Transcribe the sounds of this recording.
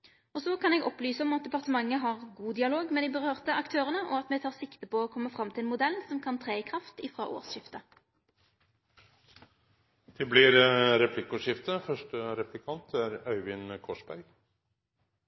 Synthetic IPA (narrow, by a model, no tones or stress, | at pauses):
ɔsɔkʰɑnɛːɡɔplyːsəɔmɑt̪̚d̪ɛpɑʁt̪əmɑŋːəɦɑʁɡuːd̪ɪɑloːɡmeːd̪ɪbəʁøːʁt̪əɑkt̪ʰøːʁənəʔɔɑt̪mɛt̪ʰɑːʁsɪkt̪əpɔɔːkʰɔmːəfʁɑmt̪ʰɪlmʊd̪ɛlnsɔmkʰɑnt̪ʰʁeːkʰʁɑft̪ɪfʁɑ̰ːʔo̰ːʁsʃɪft̪ə | t̪ʰɪblɪɾɾɛplɪkʊʂɪft̪əfœʂʈəɾɛplɪkʰɑnt̪ʰæɾœʏʋɪnkʰɔʂbæɾɡ